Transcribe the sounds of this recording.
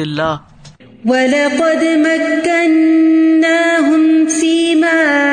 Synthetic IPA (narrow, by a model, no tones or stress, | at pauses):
ɪlːaː | walɑqɑd̪makːanː | aːɦʊmfiːmaː